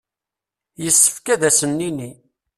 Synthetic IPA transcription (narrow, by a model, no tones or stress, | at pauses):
jəsːə̥fkæðæsənːini